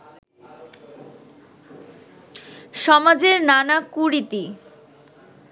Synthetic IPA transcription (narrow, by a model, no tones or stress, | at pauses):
ʃɔmad͡ʑeɾnanakuɾit̪i